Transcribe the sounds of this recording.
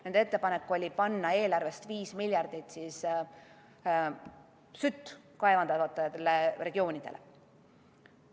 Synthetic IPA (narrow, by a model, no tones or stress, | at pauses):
nend̪ee̞t̪ːˑepɑnekːuo̞lʲipɑnːɑe̞ːlɑrve̞st̪viːsmilʲjɑrd̪̥it̪ˑsiːs | syt̪ː | kɑevɑnd̪̥ɑt̪ot̪ːˑɑjɑt̪elere̞ɡ̥io̞ːnid̪̥e̞̰lʔe̞̰